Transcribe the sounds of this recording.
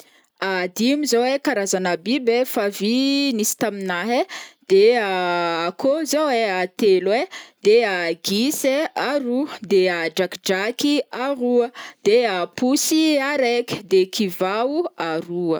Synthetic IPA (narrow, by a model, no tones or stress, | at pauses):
ad̪imizowekaɾazanəbibefavinisi̥t̪aminaɦed̪̥eaːkʰozoweat̪elwed̪̥eaɡiseaɾud̪ead͡ʒakd͡ʒakiaɾuəd̪̥eapusiaɾekʲd̪ekivauaɾuə